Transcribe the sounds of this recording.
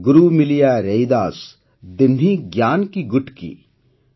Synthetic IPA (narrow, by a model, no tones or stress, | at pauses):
ɡʊɾuːmɪlijaːɾejd̪aːs | d̪ɪnĩɡjaːnkiɡʊʈkḭː